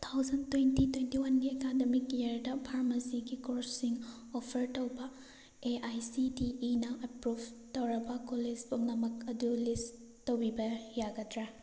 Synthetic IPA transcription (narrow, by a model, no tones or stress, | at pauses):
t̪ʰawzɐntwentitwentiwɐnɡiekademikeɾdɐpʰaɾmɐsiɡikoɾsiŋ | opʰɐɾtowbɐ | eajsidiinɐʔɐpɾub | tɐwɾɐbɐkolispuŋnɐmɐkɐdulis | towbibɐjaɡɐdɾa